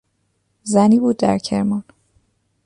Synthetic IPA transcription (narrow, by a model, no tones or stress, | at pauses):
zæniːbuːd̪ːæ̰ɾcʰe̞̰ɾmɒn